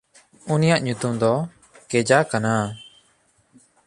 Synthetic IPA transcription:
unijaʔɲut̪umd̪ɔ | kɛd͡ʒakana

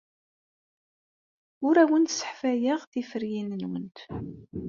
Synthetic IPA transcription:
ʊɾæwənt̪sə̥ħfæjəʁθifəɾjinənwənt̪

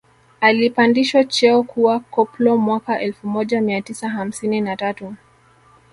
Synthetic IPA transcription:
alipandiʃwat͡ʃɛɔkuwakɔplɔmwakaʔɛlfumɔʄamiatisaɦam̩sininatatu

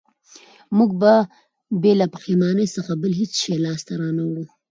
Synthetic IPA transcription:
muɡ̚ba | belapəximɑnəjsəxabəlɦet͡sʃelɑst̪aɾɑnawɽu

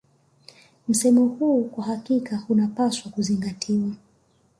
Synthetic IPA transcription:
m̩sɛmɔhuːkwaɦakikahunapaswakuziŋɡatʰiwa

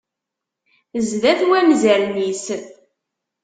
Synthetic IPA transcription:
zðæθwæmzæɾnis

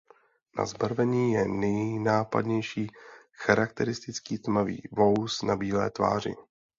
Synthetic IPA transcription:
na̰zbaɾvɛɲiːjɛnɛjnaːpa̰dɲɛjʃiː | xaɾak̚t̪ɛɾɪst̪ɪt͡skiːt̪mavḭːvo̞wsnabiːlɛ̰ːt̪va̰ːr̝ɪ̰

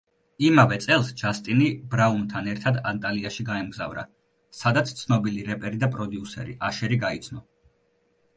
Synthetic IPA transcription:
imavɛt̪sʼɛlˠsd͡ʒast̪ʼinibɾaunt̪ʰanɛɾt̪ʰad̪ant̪ʼaliaʃiɡaɛmɡza̰vɾa̰ | sad̪at̪sʰt̪sʰnɔbiliɾɛpʼɛɾid̪apʼɾɔd̪iusɛ̰ɾḭʔaʃɛɾiɡait̪sʰnɔ

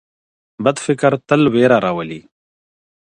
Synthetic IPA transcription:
bɐd̪fɪkɐɾt̪ɐlweːɾaɾawɐliː

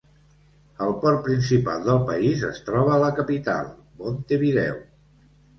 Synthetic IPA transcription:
əlˠpɔrpɾinsipa̰ld̪əlˠpə̰izəst̪ɾɔβ̞əːləkəpit̪a̰lˠ | mont̪eβiðɛ̰w

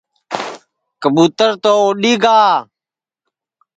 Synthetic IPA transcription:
kəɓuːt̪əɾt̪oːoːɗiːɡaː

